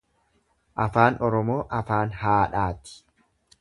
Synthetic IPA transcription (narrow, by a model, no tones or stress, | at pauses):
ʔɐfaːnɔɾɔmo̞ːʔɐfaːnhaːᶑaːt̪ɪ̥